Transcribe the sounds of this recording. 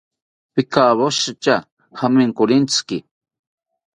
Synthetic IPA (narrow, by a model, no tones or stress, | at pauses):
pɪkaːβoʃat͡ʃa | hamɪŋkʊɾint͡skɪ